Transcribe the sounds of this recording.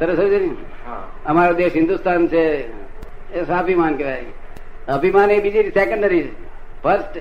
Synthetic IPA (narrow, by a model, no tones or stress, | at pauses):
t̪əɾəsəd͡ʒeni | əmaɾod̪eʃɦɪ̃nd̪ust̪ant͡ʃʰe | sapimankeʋaee | əpimanebid͡ʒiɾisɛkəɳɖəɾi | pʰəɾsʈ